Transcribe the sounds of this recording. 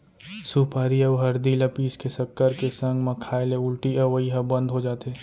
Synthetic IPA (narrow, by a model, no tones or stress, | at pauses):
suːpaːɾiɐbɦɐɾd̪ilɐpiːskesɐkːəɾkesɐ̃ŋɡmɐkʰaːɪleʊlʈiɐʋəiɦɐbɐ̃nd̪ɦod͡ʒaːt̪eː